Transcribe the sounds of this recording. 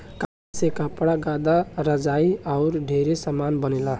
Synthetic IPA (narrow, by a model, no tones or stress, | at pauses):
ka | sekapɽaɡad̪aɾʌd͡zaiawɾɖʱeɾesʌmanbʌnela